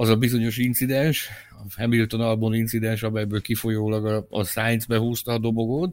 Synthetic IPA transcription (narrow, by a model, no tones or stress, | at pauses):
ɒzɒbizo̞ɲo̞ʃint̪sid̪ɛnʃ | ɒfɛmilyt̪ːonɒlbonint̪sid̪ɛnʃɒmɛjbøːlkifo̞joːlɒɡɒɒsaːɲzbɛɦuːst̪ɒːd̪o̞bo̞ɡot̪